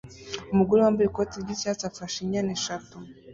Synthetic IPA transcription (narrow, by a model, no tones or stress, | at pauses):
umuɡuliwambɛikɔtiɡisiasafaʃiɲanɛʃatu